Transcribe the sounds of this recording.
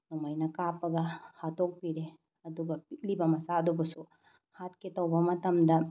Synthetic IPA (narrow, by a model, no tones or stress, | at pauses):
numɐjnɐkaːpɐɡahat̪ok̚piɾe | ɐd̪uɡɐpilibɐmɐsad̪ubɐsu | hat̪̚ket̪ɐwbɐmɐt̪ɐmd̪ɐ